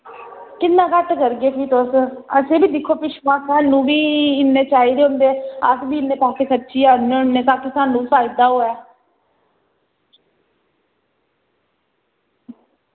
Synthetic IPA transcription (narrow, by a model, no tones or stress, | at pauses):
kɪnːãːkəʈkəɾɡeːpiːt̪osəsẽːbiːd̪ɪkʰːoːpɪʃmãːsaːnːũːbiːɪnːeːt͡ʃaːiːd̪eːɦʊnd̪eːəsbiːɪnːeːpaːseːsətːʃiːaneːʊnːeːt̪ãːkiːsaːnːũːpaːid̪aːɦoːɛː